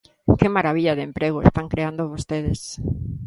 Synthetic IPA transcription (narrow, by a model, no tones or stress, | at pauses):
kɪmaɾaβ̞iʎaðempɾeɣoḛst̪aŋkɾeand̪oβost̪eðes